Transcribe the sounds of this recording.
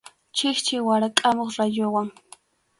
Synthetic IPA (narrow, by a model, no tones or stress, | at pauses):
t͡ʃɪxt͡ʃɪwaɾakʼamoχɾajʊwaŋ